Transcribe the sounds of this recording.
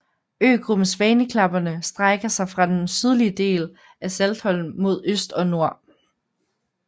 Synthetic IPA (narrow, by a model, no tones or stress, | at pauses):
ø̰ːɡ̥ʁob̥n̩sʋɛːnəkʰlɑ̈b̥ɐnəsd̥ʁaɡ̥ɐsɑ̈ɪfʁɑ̈d̥ensyð̞ˠliəd̥e̝̰ːl | æseld̥hɒ̽l̰n̩mo̝ð̞ˠøsd̥ɒ̽no̝ɐ̰